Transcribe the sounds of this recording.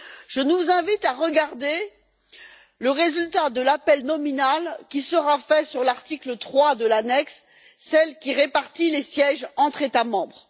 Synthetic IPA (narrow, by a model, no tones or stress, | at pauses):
ʒ̥ənuzɛ̃vit̪aʁəɡaʁd̪e | ləʁezylt̪ad̪əlapɛlnɔminalkʲisəʁafɛsyʁlaʁt̪iklət̪χwad̪əlanɛksː | ɛlkʲiʁepaʁt̪ilesjɛʒɑ̃t̪χet̪amɑ̃bʁ